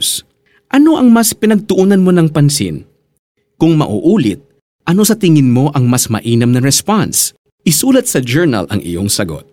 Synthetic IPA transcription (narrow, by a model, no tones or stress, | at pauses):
s | ʔɐno̞ʔɐŋmɐspɪnɐɡ̚t̪ʊʔunɐnmo̞nɐŋpɐnsɪ̰n | kʊŋmɐ̰ʔṵʔuːlɪ̰t̪̚ | ʔɐno̞sɐt̪ɪŋɪnmo̞ʔɐŋmɐsmɐ̰ʔiːnɐmnɐɹɛspans | ʔɪsuːlɐt̪̚sɐd͡ʒɛɹnɐ̰lʔɐ̰ŋʔɪ̰jo̞̰ŋsɐɡo̞̰t̪̚